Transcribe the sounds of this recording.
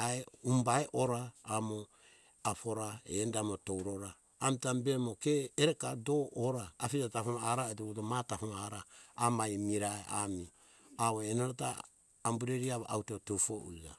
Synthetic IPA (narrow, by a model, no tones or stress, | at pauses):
aeumbaeʔoɾaːmo | apoɾaḛndamotowɾoɾaː | mtambemokeːɾekadooɾaːpitatapomaɾaetoutomatapomaɾaamajmiɾaea̰mi | aβoenaɾata̰ː | mbuɾeɾiaβaʔawtotufoʔua̰